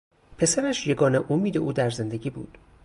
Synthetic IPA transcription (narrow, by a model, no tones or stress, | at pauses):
pʰe̞sæɾæʃje̞ɡɒːneʔomiːd̪e̞ʔuːd̪æɾze̞nd̪e̞ɟʲiːbṵːd̪̥